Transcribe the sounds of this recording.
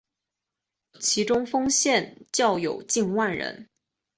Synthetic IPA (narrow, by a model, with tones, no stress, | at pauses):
t͡ɕʰi˧˥ʈ͡ʂʊ˥ŋfɤ˥ŋɕjɛ˥˧nt͡ɕjɑ˥˩ʊjo˨˩ʊt͡ɕi˥˧nwa˥˩nɻə̰˧˥n